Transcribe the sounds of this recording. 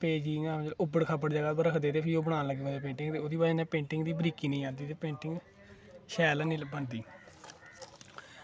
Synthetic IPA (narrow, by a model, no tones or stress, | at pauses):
peːd͡ʒiːnãːd͡ʒlʊbəɽkʰabəɽd͡ʒaːɡaːbɾəkʰd̪eːt̪eːpʰɪioːbəɽ̃ãːləɡeːbaːd͡ʒaːpẽːɳʈɪŋɡt̪eːoːd̪iːbaːd͡ʒeːnẽːpẽːɳʈɪŋɡd̪iːbɾiːkiːnəĩːãːnd̪iːt̪eːpẽːɳʈɪŋɡ | ʃɛːlnĩːbənd̪iː